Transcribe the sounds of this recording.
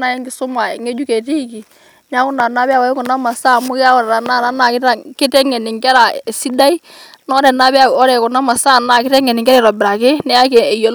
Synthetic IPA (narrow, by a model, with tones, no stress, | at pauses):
na˦jɛ˦ŋɡɪ˨sʊ˦ma˨ḛ˨ŋe˦d͡ʒu˦ke˨ti˦ki˨ | ɲa˦kʊ˦na˨na˦bɛ˦a˦wa˨˦kʊ˨na˦ma˨sa˦˨mʊ˦kɪ˦a˦ɔ˨ɾa˨ɾa˨na˦˨na˦na˨kɪ˦a˦kɪ˦tɛ˦ŋɛ˨nɪ˨ŋkɛ˦ɾa˨si˦da˦i˦ | nɔ˦ɾɛ˨na˦bɛ˦a˨ɔ˦ɾɛ˨kʊ˨na˦ma˨sa˦˨na˨kɪ˦tɛ˦ŋɛ˨nɪ˨ŋkɛ˦ɾɛ˦˨ɾɔ˨bɪ˨ɾa˨kɪ˦nɛ˦a˦kɛː˨jo˨l